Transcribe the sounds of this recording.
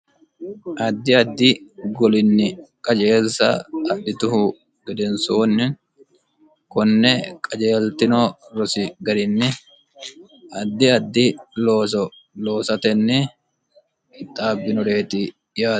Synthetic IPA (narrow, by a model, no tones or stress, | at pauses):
ʔɐd̪ːɪɐd̪ːɪɡɔlɪnːɪkʼɐd͡ʒeːlsɐ̰ɐᶑɪt̪ʊɦʊ | ɡɛd̪ɛnsoːnːɪŋ | kɔnːɛkʼɐd͡ʒe̞ːlt̪ɪnɔɾɔsɪɡɐd̪ɪnːɪ | ɐd̪ːɪɐd̪ːɪloːsɔ | loːsɐt̪ɛnːɛ | t̪ʼːaːbːɪnɔɾe̞ːt̪ɪ | jaː